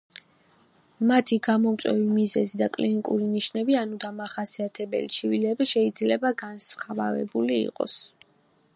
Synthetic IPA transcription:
mat̪ʰiɡamɔmt̪sʼwɛvimizɛzid̪akʼlinikʼuɾiniʃnɛbianud̪amaχasiat̪ʰɛbɛ̰lit͡ʃʰivilɛbʃɛid̪zlɛbaɡansχava̰vɛ̰bulḭːqʼɔ̰s

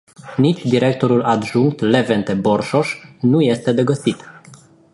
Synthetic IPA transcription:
nit͡ʃʲd̪iɾek̚t̪o̞ɾulad̪ʒuŋk̚t̪levent̪eborʃoʃnuje̞st̪e̞d̪e̞ɡəsit̪

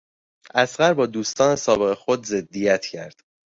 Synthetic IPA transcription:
ʔæsɢæɾbɒːd̪uːst̪ɒːnesɒːbe̞ɣexod̪ze̞d̪ːijæt̪ʰcʰæɾd̪̥

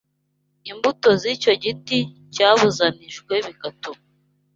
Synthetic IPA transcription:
imbuto̞zico̞ɟiti | caːβuzaniʃkwe̞βikato

